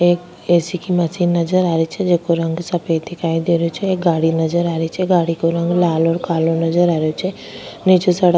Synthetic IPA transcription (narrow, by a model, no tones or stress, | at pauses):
ek | esikʰiməsinːəd͡ʒəɾaɾit͡ʃʰed͡ʒekoɾə̃ŋɡsəpet̪ʰikaid̪eɾjut͡ʃʰeːk̚ɡaɽinəd͡ʒəɾaɾit͡ʃʰeɡaɽikoɾə̃ŋɡlalɔɾkalonəd͡ʒəɾaɾjot͡ʃʰe | nit͡ʃosəɽ